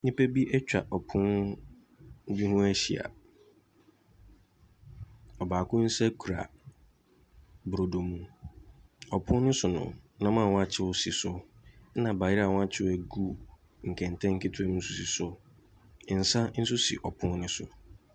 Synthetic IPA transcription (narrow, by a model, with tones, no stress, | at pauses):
nɪ̃˦pɛ˦bi˦ʔɛ˦t͡ɕᶣa̰˨ʔɔ˨pʰʊ̃˦n˦ | bi˦hʊ̃˦æ˦ɕḭ˨a̰˨ | ɔ˨baː˨kʊ̃˦n̩˦sɛ˦kʰu˨ɾa̰˨ | bɾo˨do˨mũ˦ | ɔ˨pʰʊ̃˦n˦nɪ̃˦sʊ˨nʊ̰̃˨nã˨˦mãː˦˨wɔ̃˦a˨t͡ɕʰɪ˦wʊ˦si˨sʊ˦nã˨ba˨jɪ˦ɾa˨wɔ̃˦a˦t͡ɕʰɪ˦wæ˨ɡu˦ | ŋ̩˨kʰɛ̃˨n˨tʰɛ̃˦ŋ̩˦kʰɪ˦tʰʊ˦ɛ˨nʊ̃˦n̩˦su˨si˨sʊ˦˨ | n̩˨sa˦n̩˦sʊ˦sḭ˨ʔɔ˨pʰʊ̃˦n˦nɪ̃˦sʊ̰˨